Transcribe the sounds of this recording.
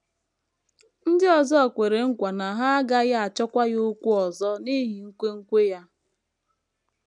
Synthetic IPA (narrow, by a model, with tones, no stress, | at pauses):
n̩˦dɪ˦ɔ˨zɔ˦ɔ˨kʷe˨ɾe˨ŋ̩˦kʷa˨na˨ɦa˦a˦ɡa˦ɣa˦a˨t͡ʃɔ˦kʷa˦ɣo˦kʷu˦ɔ˨zɔ˦ni˦ɦi˨ŋ̩˦kʷe˦ŋ̩˦kʷe˦ja˦